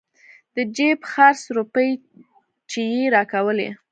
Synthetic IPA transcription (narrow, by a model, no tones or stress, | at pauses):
d̪̥əd͡ʒepxaɾsɾupəj | t͡ʃejeɾɑkawəlḛ